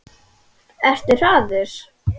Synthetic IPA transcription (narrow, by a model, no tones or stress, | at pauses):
ɛr̥t̪ɪɾ̥aːðɪɾ̥